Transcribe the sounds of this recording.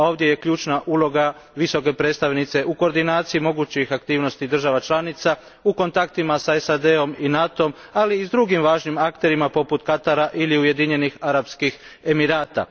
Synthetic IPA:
ao̞ːʋd̪je̞je̞kʎuːt͡ʃnaʔuːlˠo̞ɡa | ʋiso̞ke̞pɾet̪st̪aʋnit̪se̞ʔuko̞ːɾd̪inaːt̪siimo̞ɡut͡ʃixakt̪iːʋno̞st̪id̪r̩ʒaʋat͡ʃlanit̪sa | uko̞nt̪akt̪imasaesad̪e̞o̞minat̪o̞m | aliːzd̪ɾuɡimʋaːʒnimakt̪e̞ɾimapo̞put̪kat̪aɾaʔiliuje̞d̪iɲe̞nixaɾapskix | e̞miɾaːt̪a̰

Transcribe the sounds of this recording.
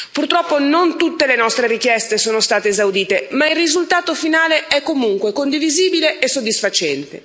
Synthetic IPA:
purt̪ɾɔpːonont̪ut̪ːelenɔst̪ɾeɾikjɛst̪esoːnost̪aːt̪eːzawd̪iːt̪emailrizult̪aːt̪ofinaːleʔɛkːomuŋkwekond̪iviziːbileʔesːod̪ːisfat͡ʃɛnt̪ḛ

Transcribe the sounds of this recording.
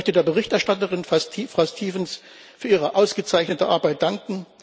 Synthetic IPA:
œçtədeːɐbəʁɪçtɛɐʃtatəʁɪnfstʰifʁ̥aʊstʰiːvəns | fyːɐiːʁəʔaʊsɡ̥ət͡saɪçnətəʔaɐbaɪt̚d̥aŋkŋ̩

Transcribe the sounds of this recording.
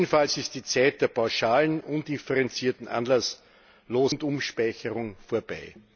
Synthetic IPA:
ənfalsɪst̚d̥iːt͡saɪt̚d̥eːɐpʰaʊʃaːlənʔʊndifəʁɛnt͡siːɐtn̩ʔa̰nlas | loːzntʊmʃpaɪçəʁʊŋfoːɐb̥aɪ

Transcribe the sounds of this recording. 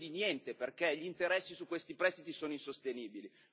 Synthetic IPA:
d̪injɛnt̪eperkeʎint̪eɾɛsːisukːwest̪ipɾɛst̪it̪isoːnoinsost̪eniːbili

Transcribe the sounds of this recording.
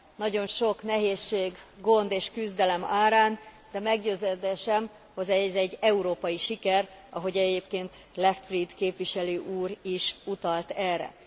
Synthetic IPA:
nɒɟo̞nʃo̞knɛɦeːʃːeːɡːo̞nd̪eːʃkyzd̪ɛlɛmaːɾaːn | d̪ɛmɛɡɟøːzɛd̪ɛʃɛm | hozɛzɛɟːɛuɾoːpɒjiʃikɛr | ɒ̰ɦo̞ɟɛɟeːpkeːnt̪ | lɛft̪frid̪keːpʋiʃɛløːʔuːɾiʃut̪ɒlt̪ɛrɛ̰

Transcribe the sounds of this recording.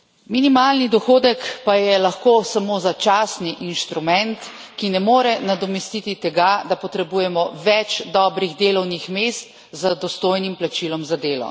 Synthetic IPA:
minimaːlnid̪ɔxoːd̪ɛkpajɛlaxkoːsamoːzat͡ʃaːsniʔinʃt̪ɾumɛnt̪ | kinɛmoːɾɛnad̪ɔmɛst̪it̪it̪ɛɡad̪apɔt̪ɾɛbuːjɛmɔʋɛt͡ʃd̪ɔːbɾiɣd̪eːlɔwnixmeːst̪ | zad̪ɔst̪oːjnimplat͡ʃiːlɔmzad̪eːlɔ̰

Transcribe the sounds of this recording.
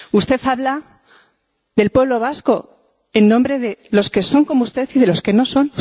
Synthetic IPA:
ust̪e̞θaβla | ðe̞lpwe̞β̞lo̞β̞asko̞ | e̞nːõmbɾe̞ðe̞lo̞ske̞so̞ŋko̞moust̪e̞θiðe̞lo̞ske̞no̞so̞n

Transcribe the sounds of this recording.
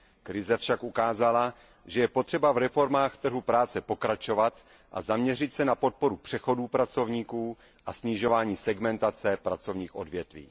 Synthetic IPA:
kɾɪzɛfʃakʔukaːzala | ʒɛjɛpot̪r̝̥ɛbavɾɛfo̞ɾmaːxt̪r̩ɦupɾaːt͡sɛpo̞kɾat͡ʃo̞vat̪ | ʔa̰zamɲɛr̝ɪt̪sɛnapo̞t̪̚po̞ɾupr̥ɛxo̞duːpɾat͡so̞vɲiːkuː | ʔasɲɪʒo̞vaːɲiːsɛɡmɛnt̪at͡sɛpɾat͡so̞vɲiːxʔo̞̰dvjɛt̪vḭː

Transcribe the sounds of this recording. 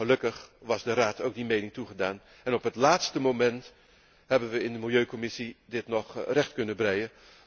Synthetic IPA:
əlɵkəχʋɑzdəraːtʰowk̚dimejnɪŋtuχədaːn | ɛnɔpɦətlaːtstəmowmɛnt | ɦɛbənʋəɪndəmɪlˠjøɥkɔmɪsidɪtnɔχrɛχtkɵnəbrɛjə

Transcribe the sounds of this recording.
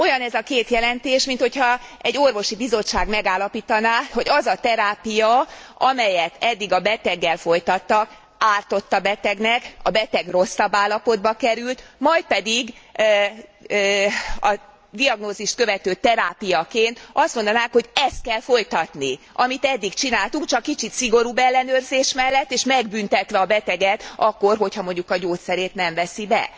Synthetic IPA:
o̞jɒnɛzɒkeːt̪jɛlɛnt̪eːʃmint̪ho̞chɒɛɟːo̞rvo̞ʃibizo̞t͡ʃːaːɡmɛɡaːlːɒpiːt̪ɒnaːho̞ɟɒzɒt̪ɛɾaːpijɒʔɒmɛjɛt̪ɛd̪ːiɡɒbɛt̪ɛɡːɛlfo̞jt̪ɒt̪ːɒk | aːrt̪o̞t̪ːɒbɛt̪ɛɡnɛkɒbɛt̪ɛɡro̞sːɒbːaːlːɒpo̞d̪̚bɒkɛɾylt̪mɒjt̪̚pɛd̪iɡ | ɒ | d̪iɒɡnoːziʃt̪̚kø̞vɛt̪øːt̪ɛɾaːpijɒkeːnt̪ɒst̪mond̪ɒnaːŋkho̞ɟɛst̪̚kɛlfo̞jt̪ɒt̪niʔɒmit̪ɛd̪ːikt͡ʃinaːlt̪uŋk̚t͡ʃɒkːit͡ʃit̪siɡo̞ɾuːbɛlːɛnøːrzeːʃmɛlːɛt̪ːeːʃmɛɡbynt̪ɛt̪ʋɛɒbɛt̪ɛɡɛt̪ɒkːo̞rɦo̞chɒmo̞ɲɟukɒɟoːt̪sɛɾeːt̪nɛɱvɛsibɛ̰

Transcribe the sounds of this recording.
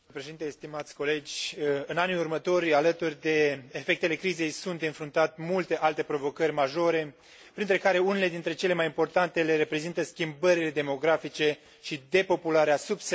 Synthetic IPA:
pɾeʃed̪inest̪imat̪sʲko̞le̞d͡ʒʲɨnaniurmət̪o̞ɾʲalət̪urʲd̪e̞ːfe̞k̚t̪e̞le̞kɾize̞jsunt̪ɨnfɾunt̪at̪mult̪e̞ʔalt̪e̞pɾo̞vo̞kəɾʲmaʒo̞ɾe̞ | pɾint̪ɾe̞kaɾe̞unele̞d̪int̪ɾe̞t͡ʃe̞le̞majimpo̞rt̪ant̪e̞le̞ɾe̞pɾe̞zint̪əskʲimbəɾile̞d̪e̞mo̞ɡɾafit͡ʃe̞ | ʃid̪e̞po̞pulaɾeasubs

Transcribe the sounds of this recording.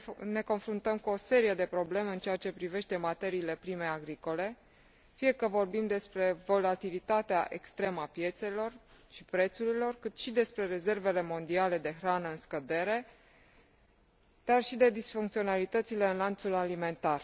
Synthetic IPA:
ne̞ko̞nfɾunt̪əmkuo̞se̞ɾije̞d̪e̞pɾo̞ble̞me̞ɨnt͡ʃeat͡ʃe̞pɾive̞ʃt̪e̞mat̪e̞ɾiːle̞pɾimeaɡɾiko̞le̞ | fie̞kəvo̞rbimd̪e̞spɾe̞vo̞lat̪ilit̪at̪eaʔe̞kst̪ɾe̞məapje̞t̪se̞lo̞rʃipɾe̞t̪suɾilo̞rkɨt̪ʃid̪e̞spɾe̞ɾe̞ze̞rve̞le̞mo̞nd̪iale̞d̪e̞xɾanəɨnskəd̪e̞ɾe̞ | d̪̥arʃid̪e̞d̪isfuŋkt̪sio̞nalit̪ət̪sile̞ɨnlant̪sulalime̞nt̪ar

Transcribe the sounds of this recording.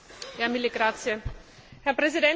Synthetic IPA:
jaːmiləɡ̥ʁaːt͡sjə | hɛɐpʁ̥ɛzidɛn

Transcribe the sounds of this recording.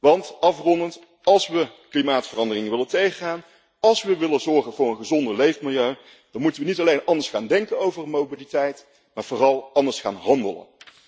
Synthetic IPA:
ʋɑntɑfrɔndənt | ɑlˠsʋəklimaːtfərɑndərɪŋəʋɪləntejχəχaːn | ɑlˠsʋəʋɪlənzɔɹχənvʊːrənχəzɔndəlejfmɪlˠjøɥ | d̥ɑnmutənʋənitɑlejnʔɑndəɹsχaːndɛŋkənowvərmowbilitɛjt | maːɹv̥ʊːrɑlˠɑndəɹsχa̰ːnɦɑndələ̰n

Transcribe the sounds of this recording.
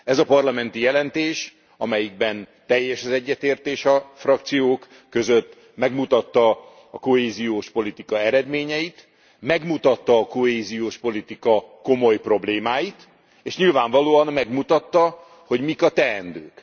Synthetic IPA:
ɛzɒpɒrlɒmɛnt̪ijɛlɛnt̪eːʃ | ɒmɛjiɡ̚bɛnt̪ɛjːɛʃɒzɛɟːɛt̪eːrt̪eːʃɒfrɒk̚t̪sijoːkː | ø̞zøt̪ː | mɛɡmut̪ɒt̪ːɒː | ko̞ɦeːzijoːʃpo̞lit̪ikɒɛɾɛd̪meːɲɛjit̪ | mɛɡmut̪ɒt̪ːɒːko̞ɦeːzijoːʃpo̞lit̪ikɒko̞mo̞jpro̞bleːmaːjit̪ | eːʃɲilvaːɱvɒloːɒnmɛɡmut̪ɒt̪ːɒ | ho̞ɟmikɒt̪ɛɛnd̪øːk

